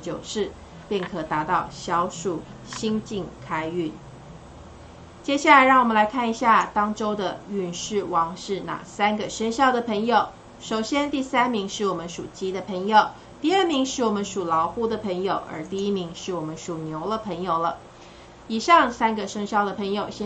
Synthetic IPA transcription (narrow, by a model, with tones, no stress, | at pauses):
t͡ɕjo˨˩ʊʂɻ̩˥˩ | pjɛ˥˩nkʰɤ˨˩t̪a˧˥t̪ɑ˥˩ʊɕjɑ˧˥ʊʂu˨˩ | ɕi˥ŋt͡ɕi˥˩ŋkʰa˥ɪy˥˩n | t͡ɕjɛ˥ɕ̬ja˥˩la˧ɪɻɑ˥˩ŋwɔ˨˩mə˦la˧˥ɪkʰa˥˩ni˧˥ɕja˥˧t̪ɑ˥ŋʈ͡ʂo˥ʊd̪ə˨y˥˩nʂɻ̩˥˩wɑ˧˥ŋʂɻ̩˥˩na̰˨˩sa˥nɡə˨˩ʂə˥ŋɕjɑ˥˩ʊd̪ə˨˩pʰə˧˥ŋjo˨˩ʊ | ʂo˨˩ʊɕjɛ˥nt̪i˥˩sa˥nmi˧˥ŋʂɻ̩˥˩wɔ˨˩mə˦nʂu˨˩t͡ɕi˥d̪ə˨pʰə˧˥ŋjo˨˩ʊ | t̪i˥˧ə˞˥˩mi˧˥ŋʂɻ̩˥˩wɔ˨˩mə˦nʂu˨˩lɑ˧˥ʊxu˥˩d̪ə˨˩pʰə˧˥ŋjo˨˩ʊʔə̰˧˥t̪i˥˩i˥mi˧˥ŋʂɻ̩˥˩wɔ˨˩mə˦nʂu˨˩njo˧˥ʊlə˨pʰə˧˥ŋjo˨˩ʊlə˦ | i˨˩ʂɑ˥˩ŋsa˥nɡə˨ʂɤ˥ŋɕjɑ˥˩ʊd̪ə˩pʰə˧˥ŋjo˨˩ʊɕ